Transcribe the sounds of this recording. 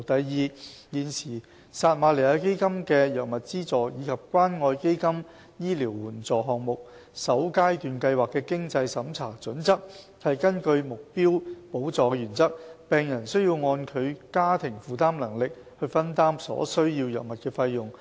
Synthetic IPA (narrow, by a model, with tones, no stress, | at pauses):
t̪ɐ˨jːiː˨˧jiː˨˧nsiː˨˩ | saː˧t̚maː˨˧le˨˩jaː˧ke˥jkɐ˥mkɛː˧jɐ˨˩mɐ˨t̚t͡siː˥t͡sɔː˨jiː˨˧kʰɐ˨p̚kʷaː˥nŋɔː˧jke˥jkɐ˥m | jiː˥liː˨˩wːuː˨˩nt͡sɔː˨ɦɔː˨ŋ̚mʊ˨k̚ | sɐ˨˥wkaː˥jt̪yː˨˩nkɐ˧jwaː˨kːɛː˧kɪ˥ŋt͡sɐ˧jsɐ˨˧˥mt͡sʰaː˨˩t͡sɵ˨˥nt͡sɐ˥k̚ | hɐ˨jkɐ˥nkɵ˧ɥmʊ˨k̚piː˥wpo˨˥wt͡sɔː˨˧kɛ˧yː˨˩nt͡sɐ˥k̚pɛː˨ŋjɐ˨˩nsɵ˥ɥjiː˧wŋɔː˧nkʰɵ˨˧ɥkaː˥t̪ʰɪ˨˩ŋfuː˨˧t̪aː˥mlɐ˨˩ŋlɪ˨k̚ | hɵ˧ɥfɐ˥nt̪aː˥msɔ̰ː˨˥sɵ˥ɥji˧wjɐ̰˨wmɐ˨t̚kɛː˧fɐ˧jːʊ˨˩ŋ